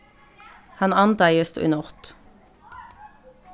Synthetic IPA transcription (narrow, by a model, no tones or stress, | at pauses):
hɑnɑnd̪æɪəst̪ʏ̰nɔʁt̪